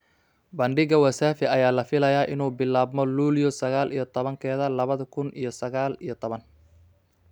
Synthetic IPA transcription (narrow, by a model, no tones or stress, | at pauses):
bɐɳɖɪɣɐwɐsaːfɪɐjaːlɐfɪlɐjaːʔɪnuːbɪlːaːbmɔluːljɔsɐɣaːlʔijɞt̪ʰɔβɐŋkʰɛːðɐlɐβɐðɐkʰʊnʔḭjɞsɐɣaːlijɞt̪ʰɔβɐn